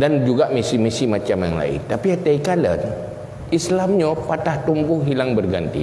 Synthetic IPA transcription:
dand͡ʒuɡaʔmisimisimat͡ʃamja̰ŋla̰ɪ̰nt̪apiat̪aikalə̰n | ʔislamɲapat̪aht̪umbʊhɦilaŋbərɡa̰nt̪ḭ

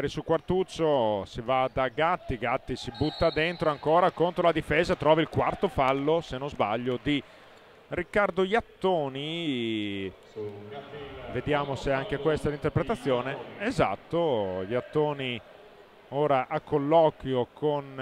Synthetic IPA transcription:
aɾisulkwart̪ut͡ʃːosivad̪aɡat̪ːiɡat̪ːisibut̪ːad̪ent̪ɾoaŋkoːɾakont̪ɾolad̪ifeːzat̪ɾɔːvailkwart̪ofalːosenõzbaʎːod̪i | rikːard̪ojat̪ːoːni | ved̪jaːmoseaŋkekwest̪aɛlint̪erpɾet̪at̪sːjoːneeza̰t̪ːojat̪ːoːni | oːɾaʔakʰːolːɔːkwjokʰon

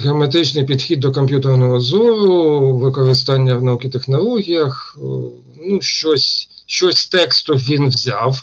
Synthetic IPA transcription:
ɦeɔmet̪ɪt͡ʃnɪjpʲid̪xʲid̪̚ːɔkɔmʲpʲjut̪ernɔɦɔzɔɾʊʋɪkɔɾɪst̪ɑnʲːɐwnɐukʲit̪exnɔlˠɔɦʲijɐx | nuʃt͡ʃɔsʲʃt͡ʃɔsʲst̪ɛkst̪ʊʋʲinwzʲɑw

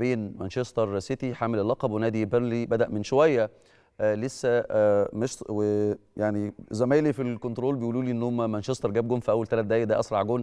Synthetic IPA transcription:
beːnmænʃest̪ˤeɾˤset̪iħamellːɑqɑbwenæːd̪ibeɾnlibæd̪æʔmenʃowæjːæ | ʔlesːæmeʃtwejaʕnizæmæːjlifilkont̪ɾoːlbejʔuːluːliːʔenːohomːæmænʃest̪ɑɾˤɡæːb̚ɡomfʔæwːælt̪ælæt̪̚d̪æːjːæd̪æːʔɑsˤɾˤɑʕɡoːn

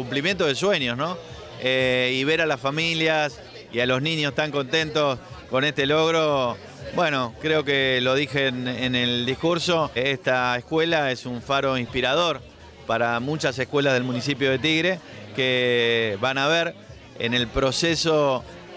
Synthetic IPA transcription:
kumplimjent̪oð̞esweɲjosno | eiβeɾalasfamiljas | ialo̞snĩɲjost̪aŋko̞nt̪e̞nt̪osko̞nest̪elo̞ɣɾo | bweno̞kɾeo̞kelo̞ðixeneneld̪ihkuɾso̞est̪aehkwelaesuɱfaɾo̞ĩnspiɾaðo̞ɾ | paɾamut͡ʃasehkwe̞lað̞elmũnisipjo̞ð̞e̞t̪iɣɾekeβanaβeɾ | ḛnelpɾo̞seso̞

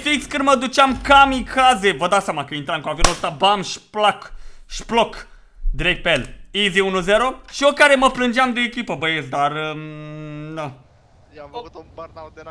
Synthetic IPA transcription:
fikskɨnd̪məd̪ut͡ʃeamkamikʰazevəd̪awsjamakəint̪ɾamkuavonoost̪abamʃplakʃplok | d̪iɾek̚t̪peeliziunuzeɾoʃiokaɾe̞məplɨnd͡ʒeamd̪ɨnekʲipəbəjesd̪arə | na

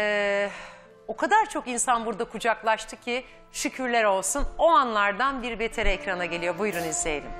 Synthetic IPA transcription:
ɛː | o̞kʰad̪aɾt͡ʃʰo̞kinsanbuɾd̪akʰud͡ʒaklˠaʃt̪ʰɯcʰi | ʃycʰyɾlʲæɾo̞lˠsuno̞anlˠaɾd̪anbiɾbe̞t̪ʰe̞ɾɛɛcɾanaɟe̞lʲijo̞bujɾunizejed̪im

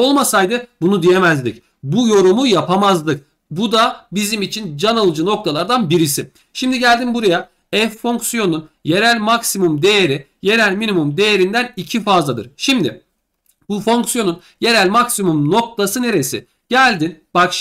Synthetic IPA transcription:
o̞lˠmasajd̪ɯbunud̪ije̞mæzd̪ic | bujo̞ɾumujapʰamazlˠɯk | bud̪abizimit͡ʃʰind͡ʒanalˠɯd͡ʒɯno̞k̚t̪ʰalˠaɾd̪anbiɾisɪ | ʃimd̪iɟælʲd̪inbuɾaja | ɛfːo̞ŋksijo̞nunje̞ɾælʲmaksimumd̪e̞jeɾi | je̞ɾælʲminimumd̪e̞jeɾind̪ænicʰifazlˠad̪ɯ̰ɾ̥ʃimd̪ɪ̰ | bufo̞ŋksijo̞nun | je̞ɾælʲmaksimumno̞k̚t̪ʰasɯne̞ɾe̞sḭ | ɟ̥ælʲd̪inb̥akʃ

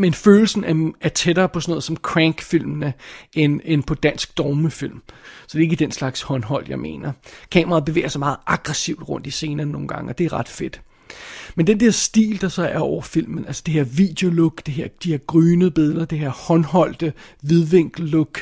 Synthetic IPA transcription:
menføːl̩sn̩ææɐt͡sʰed̥ɐːpʰɒ̽sɒ̽nɔ̽ːðˠsɒ̽mkʰʁæŋɡ̥fil̰mnəenenpʰɒ̽d̥æn̰sɡ̥̚d̥ɒːməfil̰msɒ̽d̥e̝e̝ɡ̥əd̥enslɑ̈ɡ̥shɒ̽nɦɒ̽l̰jɑ̈ɪme̝̰ːnɐkʰɛːmɐʁɑ̈beʋḛːɐsmɑ̈ːð̩ˠʔɑ̈ɡ̥ʁɛsiʊ̰d̥ʁɔ̽n̰d̥ise̝ːnɐːnːo̝ːn̩ɡ̥ɑ̈ŋəɒ̽d̥e̝æɐʁɑ̈d̥fe̝d̥ | mend̥end̥ɛɐ̰sd̥ḭːld̥ɑ̈sɑ̈ɪʔæɒʊ̰ɐfil̰mən̩ʔælsə̥d̥e̝heɐ̰ʋid̥e̝o̝loɡ̥d̥eɦeɐ̰d̥ihe̝ɐ̰ɡ̥ʁyːnəb̥e̝ðˠɐd̥eheɐ̰hɒ̽nhɒ̽l̰d̥əʋeðˠʋeŋ̰ɡ̥ːoɡ̥

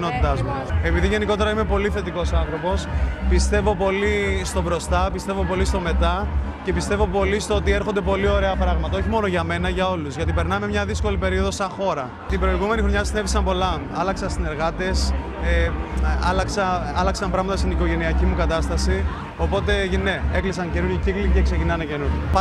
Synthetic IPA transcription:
no̞t̪it̪ɐzmue̞piðiʝe̞niko̞t̪e̞ɾɐime̞po̞liθe̞t̪iko̞sɐnθɾo̞po̞spist̪e̞vo̞po̞list̪o̞bɾo̞st̪ɐpist̪e̞vo̞po̞list̪o̞me̞t̪ɐce̞pist̪e̞vo̞po̞list̪o̞o̞t̪ie̞ɾxo̞nd̪e̞po̞lio̞ɾe̞ɐpɾɐɣmɐt̪ɐo̞çimo̞no̞ʝɐme̞nɐʝɐo̞luzʝɐt̪̬ipe̞ɾnɐme̞mɲɐðisko̞lipe̞ɾio̞ðosɐxo̞ɾɐ | t̪ibɾo̞iɣume̞nixɾo̞ɲɐsinevisɐmpo̞lɐ | ɐlɐksɐst̪ine̞ɾɣɐt̪e̞s | eɐlɐksɐɐlɐksɐmpɾɐɣmɐt̪ɐst̪iniko̞ʝe̞niɐcimukɐt̪ɐst̪ɐsi | o̞po̞t̪e̞ne̞e̞klisɐŋce̞nuɾʝocikliceksecinɐnɐce̞nuɾʝo

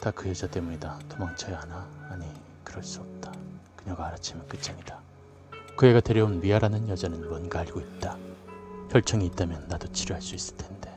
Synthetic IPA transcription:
takɯjed͡ʑat͈e̞muɲidatomaŋt͡ɕʰeanaːɲi | kɯɾʌɭs͈uʌp̚t͈ḁkɯɲʌɡaːɾat͡ɕʰimjʌnk͈ɯt͡ɕ͈aŋida | kɯe̞ɡate̞ɾjʌunmiaɾanɯnjʌd͡ʑanɯnmwʌnɡaaɭɡoit̚t͈a | çjʌɭt͡ɕ͈ʌŋiːt͈amjʌnːadot͡ɕʰiɾjuɦaɭs͈uis͈ɯ̥ɭtʰe̞nd̥e̞

